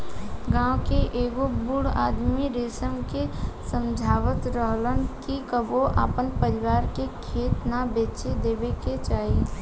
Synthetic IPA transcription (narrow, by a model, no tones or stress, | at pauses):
ɡãːwkeʔeːɡobʊɽa̰ːd̪miɾeːsəmkesə̃md͡ʒʱaːʋət̪ɾəɦlənkikəboʔa̰ːpənpəɾɪʋaːɾkekʰeːt̪nabeːt͡ʃed̪eːʋeket͡ʃaːɦe